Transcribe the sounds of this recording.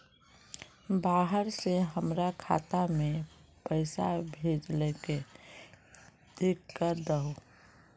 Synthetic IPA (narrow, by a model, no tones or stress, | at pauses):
baːɦəɾseɦəmɾakʰa̰ːt̪amẽ | pəɪsabʱeːd͡ʒleke | d̪ekːəd̪əɦo